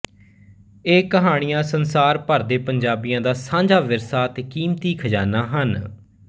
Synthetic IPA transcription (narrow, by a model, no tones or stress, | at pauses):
eːkəɦaːɽ̃ɪjãːsənsaːɾpəɾd̪eːpəɲd͡ʒaːbɪjãːd̪aːsãːɲd͡ʒaːʋɪɾsaːt̪eːkiːmt̪iːkʰəd͡ʒaːnaːɦən